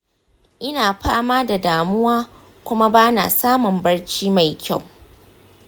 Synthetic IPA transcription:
ʔɪ˦naː˨ɸaː˦maː˦da˨daː˨mʊ˦waː˦ | kʷʊ˦ma˦baː˦na̰ː˨saː˦mʊ˨mbɐ˦rt͡ʃiː˦ma˨jkʲa˦˨w

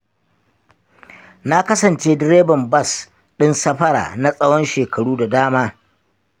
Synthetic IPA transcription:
na˦kɐ˦sɐ˨nt͡ʃeː˦dɪ˦ɾeː˦bɐ˨mbɐ˦˨s | ɗɪ˦nsɐ˦ɸɐ˦ɽa̰ː˨na˦sʼɐ˦wɔ˦nʃeː˨kɐ˨ɽuː˦da˨daː˦maː˦

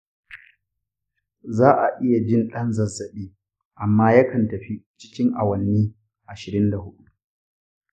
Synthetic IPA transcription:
zaː˦ʔa˨ʔɪ˦ja˨d͡ʒɪ˦˨nɗɐ˦nzɐ˨zːɐ˨ɗiː˦ | ʔa˨mːaː˦jɐ˦kɐ˨ntɐ˨ɸi˦t͡ʃɪ̥˦kʲɪ˦ŋʔa˨wɐ˨nːiː˦ | ʔa˨ʃɪ˨ɾɪ˦nda˨hʊ˦ɗu˦

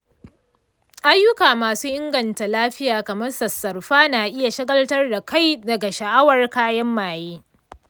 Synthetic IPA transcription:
ʔa˦jːʊ˦kaː˨maː˨suː˦ʔɪ˦ŋɡɐ˨nta˨laː˦ɸɪ˦jaː˨kɐ˨mɐ˦rsɐ˨sːɐ˨rɸaː˦naː˨ʔɪ˦ja˨ʃɪ˦ɡɐ˦ltɐ˦rda˨ka˦jdɐ˨ɡa˨ʃɐ˨ʔa˦wɐ˨rkaː˦jɐ˦mːaː˨jeː˦

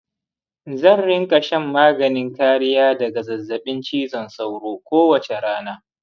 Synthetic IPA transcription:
zɐ˦˨nɽɪ˦ŋkʼɐ˨ʃɛ˦mːaː˦ɡɐ˨nɪ˦ŋkaː˦ɽɪ˦jaː˦dɐ˨ɡa˨zɐ˨zːɐ˨ɓɪ˦nt͡ʃiː˦zɐ˨nsa˦wɽoː˦kʷoː˦wɐ˨t͡ʃe˨ɽaː˦naː˦

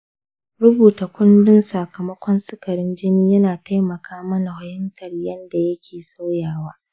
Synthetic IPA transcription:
ɾʊ˦buː˨ta˨kʷʊ˦ndɪ˦nsa˨kɐ˨mɐ˦kʷɔ˦nsʼɪ˦kɐ˨ɾɪ˦nd͡ʒɪ˦niː˦jɐ˦naː˨ta˦jmɐ˨kaː˦mɐ˦na˨hʊ˦hɪ˦mtʰɐ˨rjɐ˦nda˨jɐ˦kʲʰeː˨sa˦wjaː˨waː˦

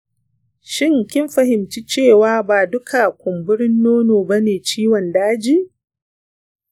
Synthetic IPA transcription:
ʃɪ˦˨ŋkʲɪ˦mɸɐ˨hɪ˨mt͡ʃi˦t͡ʃeː˦˨waː˦baː˨dʊ˦kʰa˨kʷʊ˨mbʊ˦ɽɪ˦nːoː˦noː˨ba˦neː˨t͡ʃiː˦wɔ˨ndaː˦d͡ʒiː˦

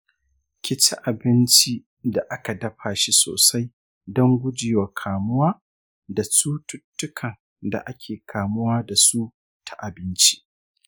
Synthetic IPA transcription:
kʲɪ˦t͡ʃɪ˦ʔa˨bɪ˦nt͡ʃi˦ | da˨ʔa˦ka˨dɐ˦ɸaː˨ʃi˦so̰ː˨sa˦j | dɔ˦ŋɡʷʊ˦d͡ʒɪː˨wa˨kʰaː˨mʊ˦waː˦ | da˨suː˦tʊ˦tːʊ˦kʰɐ˨n | da̰˨ʔa˦kʲʰeː˨kʰaː˨mʊ˦waː˦da˨suː˦ | tʰa˨ʔa˨bɪ˦nt͡ʃi̥˦ʔ

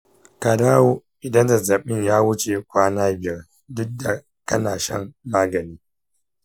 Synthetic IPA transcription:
ka˨daː˦wo˦ʔɪ˨dɐ˦nda˨za˨ɓɪ˦ɲjaː˦wʊ˦t͡ʃe˨kʷaː˦naː˦bɪ˨jɐ˦r | dʊ˦dːa˨ | kɐ˦naː˨ʃɐ̰˦mːaː˦ɡɐ˨niː˦

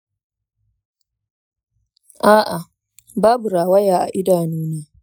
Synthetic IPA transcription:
ʔaː˦ʔa˨ | baː˦bu˨ɾaː˨wɐ˦jaː˨ʔa̰˨ʔɪ˦daː˨nuː˦neː˦

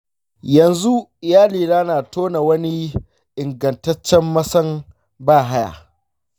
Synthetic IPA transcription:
jɐ˨nzu˦˨jaː˦liː˨naː˦naː˨toː˦na˨wɐ˦ni˦ | ʔɪ˨ŋɡɐ˨ntɐ˦t͡ʃːɛ˦mːɐ˦sɐ˦n | baː˦˨ɦa˦ja̰ː˨

